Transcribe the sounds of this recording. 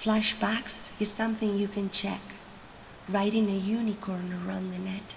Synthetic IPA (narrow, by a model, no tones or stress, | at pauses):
flæʃb̥æksɨz̥sʌ̃mθɪ̃ŋjɨkʰɨ̃nt͡ʃʰɛ̰k | ɹaɪɾɪ̃ŋɨjʉnikʰɔɹnə˞ʌ̃nðɨnɛt